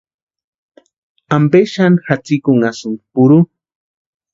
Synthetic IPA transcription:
ampeʃanxat͡sikʊŋasʊnpʊɾu

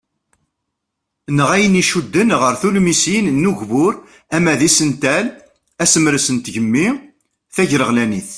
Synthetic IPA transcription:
nəʁæjəniʃud̪ːənʁəɾθulmisinnːuʝvʊɾ | æmæðisənt̪æl | æsəmɾəsənt̪ʝəmːi | θæʝɾəʁlæniθ

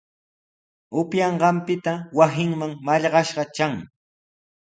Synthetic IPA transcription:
ʊpjɑɴɢɑmpɪt̪awasɪŋmaŋmaʎɢɑʃɢɑt͡ʃaŋ

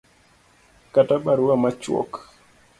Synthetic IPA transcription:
kataɓaɾuwamat͡ʃwɔ̰k

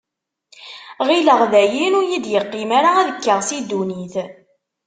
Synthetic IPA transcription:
ʁiləʁðæjinuɾjid̪jəqːimaɾaæðəkːəʁsid̪uniθ

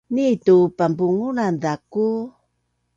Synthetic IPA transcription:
nitupambuŋunandaku

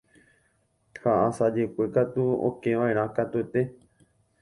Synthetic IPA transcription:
haʔãsad͡ʒe̞kʷekat̪uõ̰kẽʋãẽɾ̃ãkat̪uet̪e̞

